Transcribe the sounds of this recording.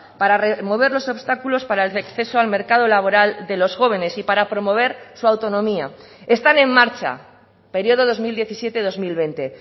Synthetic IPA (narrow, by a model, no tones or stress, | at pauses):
paɾaremo̞βe̞ɾlo̞so̞βst̪akulo̞spaɾaelekθe̞soalme̞ɾkað̞o̞laβ̞o̞ɾald̪e̞lo̞sxo̞β̞e̞ne̞sipaɾapɾo̞mo̞β̞e̞ɾsuawt̪o̞nõ̞mia̰ | est̪anẽ̞ŋːaɾt͡ʃa̰ | pe̞ɾjo̞ð̞oð̞o̞zmild̪je̞θisje̞t̪eðo̞zmilβe̞nt̪e̞